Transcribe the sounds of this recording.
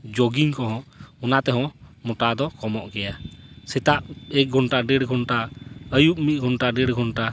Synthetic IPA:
d͡ʒoɡiŋkɔɦɔ̃ɔnat̪ɛɦɔ̃mɔʈad̪ɔkɔmɔʔɡɛjasɛt̪aʔɛk̚ɡʱɔnʈaɖɛɽɡʱɔnʈaəjup̚mit̪̚ˀɡʱɔnʈaɖɛɽɡʱɔnʈa

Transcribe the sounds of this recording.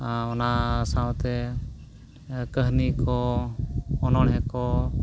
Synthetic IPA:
ãɔnasãwt̪ɛ | kəɦnikɔ | ɔnɔɽɦɛkɔ

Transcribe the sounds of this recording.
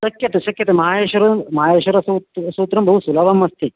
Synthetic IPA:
sɐkjɐt̪ɐʃɐkjɐt̪emɐɦaːjeːʃʋɐɾɐmɐɦaːjeːʃʋɐɾɐsut̪suːt̪ːɾɐmbʱɐɦusulɐʋɐmːɐst̪i

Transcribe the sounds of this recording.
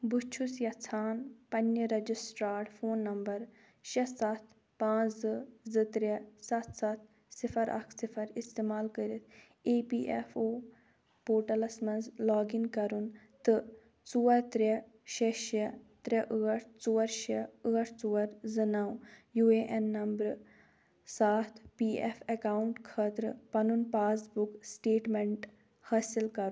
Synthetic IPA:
but͡ʃʰusjɐt͡sʰaːnpɐnːəɾɐd͡ʒisʈɾaːɾʈfʰoːnːɐmbɐɾ | ʃɐsɐt̪ʰ | pãːt͡ʃzɨzɨt̪ɾʲesɐt̪ʰsɐt̪̚ʰ | sifʰɐɾʔɐ̰kʰsifʰɐɾist̪eːmaːlkəɾit̪ʰ | eːpiːʔɛ̰foː | poːɾʈɐlɐsmɐnzlaːɡinkɐɾun | t̪ɨ | t͡suʋɐɾt̪ɾe | ʃeʃɐt̪ɾɐʔəɣɐʈt͡suːɐɾʃɐəɣɐʈt͡suʋɐɾzɐnaːwjuːeːʔɛnːɐmbɾ | saːt̪ʰpiːɛfʰɐkaːuɳʈkʰɐːt̪ɾɨpɐnunpaːsbuksʈeːʈmeɳʈ | haːsilkɐɾu

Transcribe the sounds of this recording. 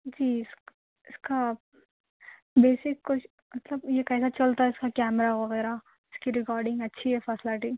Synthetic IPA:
d͡ʒiːɪs | ɪska | beːsɪkkʊt͡ʃ | mɐt̪ləbjekɛːsat͡ʃɐlt̪aɦɛɪskakɛːmɾaʋɐɣɛːɾa | ɪskiɾɪkaːɾɖɪ̃ŋɡɐtːʃʰiɦɛfɛsɪlɪʈi

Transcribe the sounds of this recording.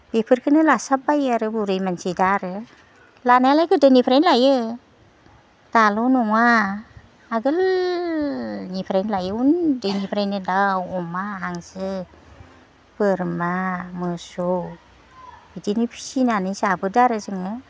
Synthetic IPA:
b̥epʰɯɾkʰɯnɯlasab̚ajaɾɯbuɾɯjmansidaɾɯ | lanajalajkɯdɯnipʰɾenlajɯ | talɔnɔŋaː | ɡɯl | nipʰɾanlajɯundɯnipʰɾajnɯdawɔmaɦaŋsɯ | bəɾmamɯso | bidinipʰi̥sinanɯjsabɯdaɾɯzɯŋɯ

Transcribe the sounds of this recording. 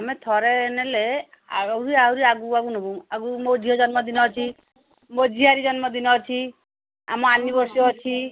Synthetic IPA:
amɛ̃t̪ʰɔɾɛnɛlɛ | a̰uɾiauɾiaɡuaɡunɔbuaɡumod͡ʒʱiɔd͡ʒɔnmɔd̪inɔt͡ʃʰi | mod͡ʒʱiaɾid͡ʒɔnmɔd̪inɔt͡ʃʰi | a̰mɔanibɔɾsɔt͡ʃʰi

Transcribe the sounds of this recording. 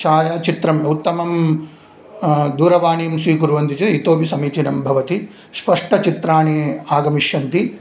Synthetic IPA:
t͡ʃaːjaːt͡ʃit̪ɾɐmjɐut̪ːɐmɐm | d̪uːɾɐʋaːɳijɐmsʋiːkuɾʋɐnt̪it͡ʃuit̪oːpisɐmiːt͡ʃinɐmbʱɐʋɐt̪i | spɐʂʈɐt͡ʃit̪ɾaːɳiaːɡɐmiʂjɐnt̪i

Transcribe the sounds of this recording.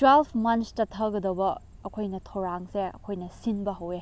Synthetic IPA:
twelpʰmɐnstɐtʰɐɡɐdɐwbɐːkʰojnɐtʰɐwɾaŋseɐ̰kʰojnɐsinbɐɦɐwe

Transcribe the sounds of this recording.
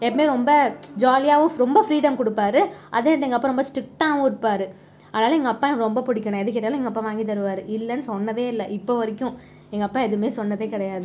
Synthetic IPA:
ɛpːɐmeːɾɔmbɐd͡ʒaːlɪjaːʋʊ̃ɾɔmbɐfɾiːɽɐmkʊɽɯpːaːɾɯʔɐ̰ðeːɐʈɛŋɡɐpːɐ̃ɾɔmbɐsʈɪk̚ʈaːʋʊ̃ʊɽɯpːaːɾɯ | ɐðɐnaːlɐɛŋɡɐpːãɡɐɾɔmbɐpʊɽɪkʲːɐɳãɛðɯk̬ːɪʈːɐjalʊ̃ɛŋɡɐpːɐ̃ːʋaːŋɡɪt̪̬ːɐɾɯʋaːɾɯʔɪlːɐnːɯsɔnːɐðeːɪlːɐʔɪpːoːʋɐɾɪkʲːʊ̃ | ɛŋɡɐɐpːɐ̃ːɛðɯmeːsɔnːɐðeːkɪɽɐjaːðɯ

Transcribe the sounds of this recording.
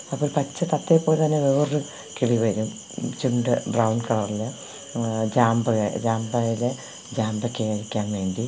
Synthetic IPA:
ɐpːoːlpɐt͡ɕːɐt̪ɐt̪ːeːpːoːlt̪ɐnːe̞ʋeːrɨ | kiɭiʋɐɾum | t͡ɕuɳɖɨɖrɐwɳɖkɐlɐrilːɐ | d͡ʑaːmbɨɣɐd͡ʑaːmbɐjile | d͡ʑaːmbɐkʲːeːɐɻikʲːaːnʋe̞ːɳɖi

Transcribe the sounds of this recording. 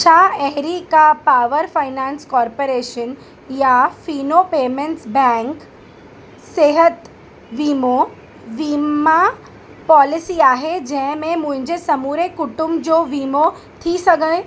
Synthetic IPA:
t͡ɕʰaːɛɦɾikapaːʋəɾfaɪnãːnskɔːɾpoɾeːʃən | jafiːnopeːmẽɳʈsbɛ̃ːŋk | seːɦət̪ | ʋiːmo | ʋiːma | pɔːlɪsiaːɦed͡ʑɐ̃ɦɪ̃mẽmʊ̃ɦɪ̃ɲd͡ʑesɐmuːɾekʊʈʊmbd͡ʑoːʋiːmo | t̪ʰisɐɡʱəɽ̃ẽ

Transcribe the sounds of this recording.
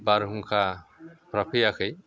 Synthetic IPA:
baɾɦuŋkʰapɾapʰijakʰɯj

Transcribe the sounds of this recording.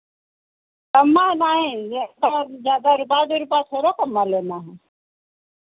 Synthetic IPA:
kəmːaːnaːɦẽːkaːzjaːd̪aːɾʊpaːd̪eɾʊpaːt̪ʰoːɾoːkəmːaːleːnaːɦẽ

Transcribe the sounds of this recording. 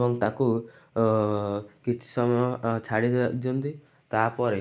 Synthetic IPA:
bɔŋt̪aku | kit͡ʃʰi̥sɔmjɔt͡ʃʰaɽid̪d͡ʒɔmd̪i | t̪apɔɾe

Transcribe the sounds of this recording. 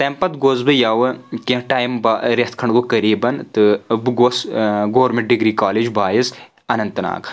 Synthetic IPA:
t̪ɐmpɐt̪ɡoːzbɨjaːʋɐkẽʈaːjmbaɾeɐht̪̚ʰkʰɐɳɡokɐɾiːbɐnt̪ɨbɡosɡoːɾmẽɳʈ̚ɖiɡɾiːkaːled͡ʒbaːjis | ɐnɐnt̪ɨna̰ːɡ

